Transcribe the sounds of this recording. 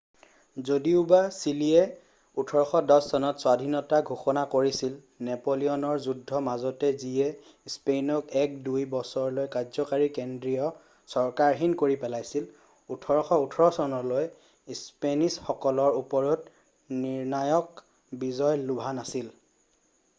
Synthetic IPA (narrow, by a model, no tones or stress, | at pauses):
zodiʊbasilijɛ | utʰɔɹɔxɔdɔsːɔnɔtswadʱinɔtaɡʱuxɔnakoɹisil | nɛpoliɔnɔɹzudʱːɔmazɔtɛziɛ | spenɔkɛk̚dujbɔsɔɹlojkazɔkaɹikendɹijɔ | sɔɹkaɹɦinkoɹipɛlajsil | utʰɔɹɔxɔutʰɔɹɔsɔnɔloj | spenisxɔkɔlɔɹupɔɹɔt | niɹnajɔk | bizɔjlubʱanasil